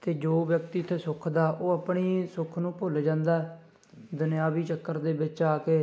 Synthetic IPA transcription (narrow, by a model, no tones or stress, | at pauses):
t̪eːd͡ʒoːʋjək̚t̪iːt̪ʰːeːsʊkʰd̪aːʔoːəpɳiːsʊkʰnũːpoːld͡ʒãːnd̪aːɛ | d̪ʊnɪjaːʋiːt͡ʃəkːəɾd̪eːbɪt͡ʃaːkeː